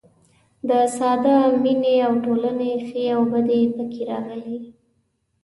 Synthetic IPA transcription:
d̪əsɑd̪amineawʈolanexeawbəd̪epəkʰeɾɑɣəli

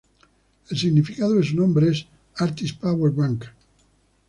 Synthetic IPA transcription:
elsiɣnifikaðoðesunõmbɾees | aɾt̪ispaweɾβaŋk

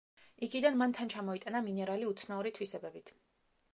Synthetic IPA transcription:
ikʰid̪anmant̪ʰant͡ʃʰamɔit̪ʼanaminɛɾaliut̪sʰnauɾit̪ʰwisɛbɛbit̪ʰ

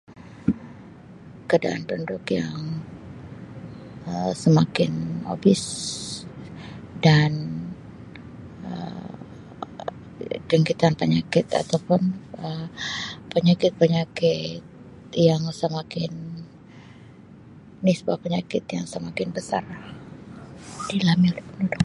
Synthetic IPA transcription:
kəada̰ʔa̰nt̪undʊkja̰ŋ | əsəmakɪno̰bɪs | dan | ə̰ | d͡ʒəŋkit̪anpəɲakɪt̪a̰t̪awpʊnə | pəɲakɪt̪̚pəɲakɪt̪̚ | jaŋsəmakɪn | ɪsəbuahpəɲakɪt̪jaŋsəmakɪnbəsa̰r | dilamiolɛhpənudʊk̚

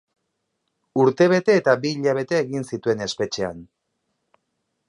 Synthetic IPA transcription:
uɾt̪e̞β̞e̞t̪e̞ːt̪abiːʎaβ̞e̞t̪e̞ːɣinsit̪ue̞ne̞spe̞t͡ʃe̞a̰n

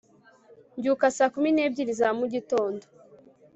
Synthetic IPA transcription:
ɲɟukasaːkumineːb̚ɟiɾizamuɟito̞ːndo

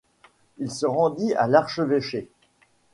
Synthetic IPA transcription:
ilsəʁɑ̃d̪ia̰laʁʃəveʃe

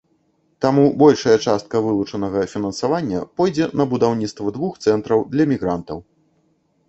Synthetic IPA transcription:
t̪amubɔlʲʂɐjɐt͡ʂast̪̚kɐvɨlˠut͡ʂɐnɐɣɐfʲinɐnsavanʲːɐ̰pɔjd͡zʲɛnɐbud̪awnʲit̪st̪vɐd̪vuxt̪sɛnt̪ɾɐwd̪lʲɐmʲiɣɾant̪ɐw

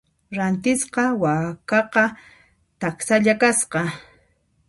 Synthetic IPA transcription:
ɾant̪ɪsqɑwakɑqɑ | t̪aksaʎakasqɑ

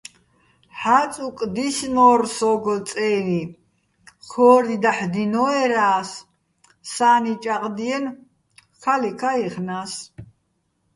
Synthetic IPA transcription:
ħat͡sʼukʼd̪isnɔːɾsɔɡɔt͡sʼɛːɾi | χʰɔːɾid̪aħd̪inɔɛɾaːsː | aːnit͡ʃʼaqʼd̪iɛn | kʰalikʰaiχnas

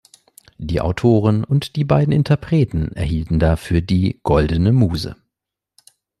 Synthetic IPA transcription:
d̥iːʔa̰ʊtʰoːʁ̞ənʊntd̥iːbaɪdn̩ʔɪntʰɐpʁ̥ɛːtn̩ʔɛ̰ɐhiːltn̩daːfyːɐdiːɡ̥ɔldənəmuːzə̰

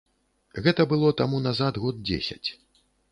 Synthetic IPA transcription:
ɣɛt̪ɐbɨlˠɔt̪amunazad̪ɣɔd̪̚d͡zʲḛsʲɐ̰t͡sʲ

